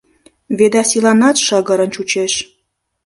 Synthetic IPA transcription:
βed̪ɑsilɑnɑt̪ʃɤɣɤ̆ɾə̆nt͡ɕut͡ɕeʃ

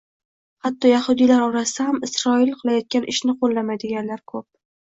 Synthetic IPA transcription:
hat̪ʰːɒjahʊd̪ilaɾɒɾasɪd̪ahamɪsɾɒɪlqʰɨlˠajɒt̪̚kʲanʔɪʃnɪqʰolˠːamad̪ɪɡʲanlaɾkʰɵp̚

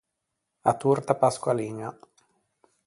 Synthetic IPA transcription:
at̪urt̪apaskwaliːna

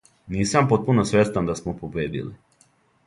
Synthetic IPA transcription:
niːsampot̪̚punosʋjest̪and̪asmopobeːd̪ḭlḭ

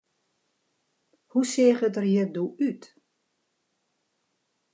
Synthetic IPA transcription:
huseːχətərjədoyt

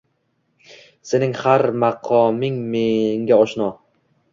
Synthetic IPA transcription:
se̞nɪŋhaɾmaqʰɒmɪŋmeŋɡʲaɒʃnɒ

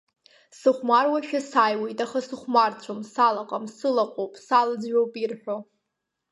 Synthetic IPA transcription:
sɨχʷmarwaʃᶣasajwe̞jtʼaχasɨχʷmart͡ɕʷʰomsalaqʼamsɨlaqʷʼowpʼsalɨd͡zɥowpʼirħʷᶣo

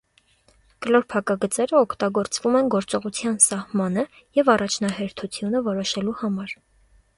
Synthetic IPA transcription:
kəlɔɾpʰɑkɑɡət͡sɛɾəɔkʰt̪ɑɡɔɾt͡svumɛnɡɔɾt͡sɔʁut͡sʰjɑnsɑhmɑnə | jɛvɑrɑt͡ʃʰnɑhɛɾt̪ʰut͡sʰjunəvɔɾɔʃɛluhɑmɑɾ

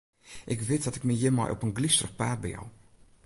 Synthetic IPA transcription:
ʔɪkʋɪtdɔtɪkməjɪmɔ̰jʔɔ̰pənɡlistərəχpaːt̚bɛjɔ̰w

